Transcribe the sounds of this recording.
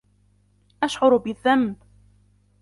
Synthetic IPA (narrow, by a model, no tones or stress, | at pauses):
ʔaʃʕʊɾbɪðːamb